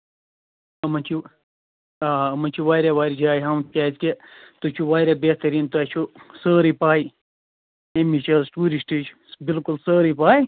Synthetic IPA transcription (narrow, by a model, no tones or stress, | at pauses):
ɐmɐt͡ʃʰi | aːɐmɐt͡ʃʰiwaːɾewaːɾid͡ʒaːjiɦɐmkʲaːt̪ket̪ut͡ʃʰuwaːjɾebeːht̪ɐɾiːnt̪uɐt͡ʃʰusəːɾipaːi | emit͡ʃʰɐsʈuːɾisʈit͡ʃ | bilkulsəːɾipaːj